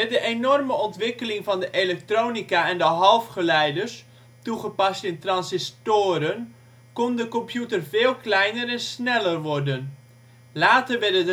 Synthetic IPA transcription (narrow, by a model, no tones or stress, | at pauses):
mɛt̚dəʔenɔrməɔntʋɪkəlɪŋvɑndəʔelɛk̚troːnikaɛndəɦɑlˠfχəlɛjdərs | tuχəpɑstɪntrɑnsɪstoːɾən | kɔndəkɔmpjutərvɪːlˠklɛjnərɛnsnɛlərʋɔrdən | laːtərʋɛrdəə